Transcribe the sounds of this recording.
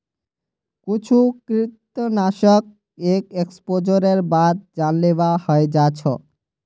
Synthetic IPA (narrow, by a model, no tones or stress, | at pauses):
kut͡ɕʰukɾit̪ːonaʃək̚ | ekekspod͡ʑoɾeɾbad̪̚d͡ʑanleoahɔed͡ʑat͡ɕʰo̰